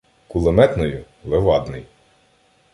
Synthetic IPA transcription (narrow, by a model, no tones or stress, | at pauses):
kulˠemɛt̪nɔjʊ | lˠeʋɑd̪nɪj